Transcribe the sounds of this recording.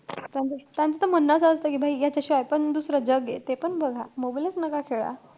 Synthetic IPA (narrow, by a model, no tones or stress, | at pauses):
t̪jãnt͡sət̪jãnt͡sət̪əm̤ənːəsəst̪əkiːbʱaijat͡ɕaɕiʋajpəɳd̪usɾəd͡ʑəɡḛt̪epəɳbəɡʱamobilet͡snəkakʰeɭa̰